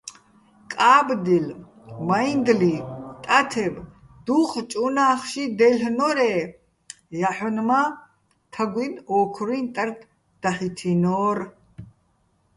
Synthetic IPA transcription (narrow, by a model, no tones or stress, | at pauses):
kʼaːbd̪il | mainɡ̪lit̪ʼat̪ʰɛb | d̪̥uqʰt͡ʃʼunaːχʃid̪ɛlɦnɔɾɛː | jaħɔnma | t̪ʰaɡʷinɔːkʰɾint̪ʼart̪ʰ | d̪̥aχit̪ʰinɔːɾ